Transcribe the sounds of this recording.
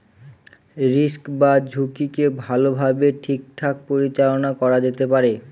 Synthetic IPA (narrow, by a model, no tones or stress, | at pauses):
ɾiskbad͡ʑʱukikebʱalobʱabeʈʰik̚ʈʰak̚poɾit͡ɕalonakɔɾad͡ʑet̪epaɾe